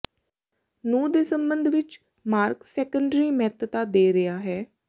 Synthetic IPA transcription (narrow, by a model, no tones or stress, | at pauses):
nũːd̪eːsəmbənd̪ʱʋɪt͡ʃ | maːɾksɛːkəɳɖɾiːmɛːt̪t̪aːd̪eːɾɪjaːɦɛː